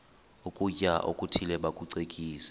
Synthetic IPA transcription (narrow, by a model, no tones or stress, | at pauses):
ukʼucʼaʔokʼutʰilɛɓakʼuǀekʼiːsɛ̥